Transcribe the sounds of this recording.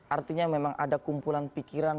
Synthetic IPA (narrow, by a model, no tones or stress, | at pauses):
ʔart̪iɲamemaŋʔa̰dakumpulanpikiɾan